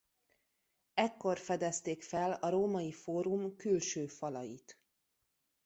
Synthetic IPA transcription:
ɛkːo̞rfɛd̪ɛst̪eːkfɛlɒɾoːmɒjifoːɾumkylʃøːfɒlɒjḭt̪

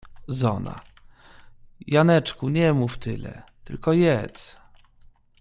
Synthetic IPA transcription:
zɔna̰ | janɛt͡ʂkuɲɛmuft̪ɘlɛ̰t̪ɘ̰lkɔjɛt̪s

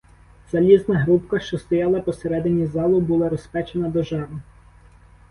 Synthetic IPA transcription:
z̥ɐlʲiznɐɦɾupkɐʃt͡ʃɔst̪ɔjɑlˠɐpɔseɾɛd̪ɪnʲizɑlˠʊbulˠɑɾɔspɛt͡ʃenɐd̪ɔʒɑɾnʊ

